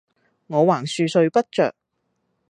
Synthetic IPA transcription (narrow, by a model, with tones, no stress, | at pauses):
ŋɔː˨˧waː˨˩ŋsyː˧sɵ˧ɥpɐ˥t̚t͡ʃœ̰ː˨k̚